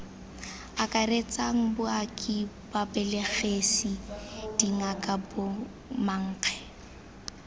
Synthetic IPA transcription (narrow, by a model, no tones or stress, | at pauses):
akʼaret͡sʼaŋ̩bʊakʼib̥abɛleχesid̥iŋakʼabʊ | maŋ̩ːq͡χʰɛ̥